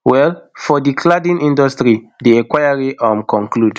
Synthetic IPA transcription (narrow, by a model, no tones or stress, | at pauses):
wɛlfɔdikʰladĩnʔĩndɔstɹidiɛ̃kwajaɹiʔãmkɔ̃ŋklud